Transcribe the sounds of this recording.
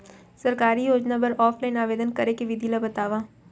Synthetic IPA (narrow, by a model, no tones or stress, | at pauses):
sɐɾkaːɾijoːd͡ʒnapɐɾɔːfʰlaːɪnaːʋeːd̪ənkɐɾekeʋɪd̪ʱilabɐt̪aːʋaː